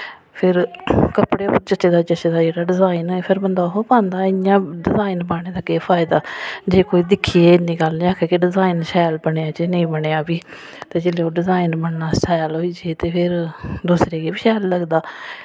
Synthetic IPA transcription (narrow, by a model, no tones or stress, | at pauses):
pʰɪɾkəpɽeːoɾt͡ʃət͡ʃːeːd̪aːt͡ʃət͡ʃeːd̪aːd͡ʒeːɽaːɖɪzaːinɦoːeːpʰɪɾbənd̪aːɦoːpãːnd̪aːɪjãːɖɪzaːinbaːɽ̃eːd̪aːkeːpʰaːɪd̪aːd͡ʒeːkoːiːd̪ɪkʰieːnĩːɡəlnĩːaːkʰeːkeɖɪzaːinʃaːlbəɳeːaːd͡ʒeːnəĩːbəɳeːaːbiː | t̪eːd͡ʒeːleːoːɖɪzaːinbəɳnaːst͡ʃʰaːjlɦoːiːd͡ʒieːt̪eːpʰɪɾd̪uːsɾeːɡeːbɪʃaːlːəɡd̪aː